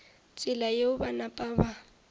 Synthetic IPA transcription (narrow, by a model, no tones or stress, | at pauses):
t͡sʼɪlajeʊbanapʼaba